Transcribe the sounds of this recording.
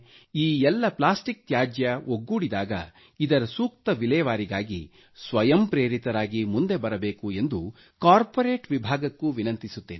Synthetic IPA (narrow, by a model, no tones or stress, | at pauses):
iːɛlːɐplaːsʈik̚t̪jaːd͡ʒjɐʔoɡːuːɽid̪aːɡɐ̰ | id̪ɐɾɐsuːk̚t̪ɐʋilɛːɐʋaːɾiɡaːɡi | sʋɐjɐmpɾe̞ːɾit̪ɐɾaːɡimund̪e̞bɐɾɐbe̞ːkue̞nd̪u | kaːɾpoɾe̞ːʈʋibʱaːɡɐkːuʋinɐnt̪isut̪ːeːn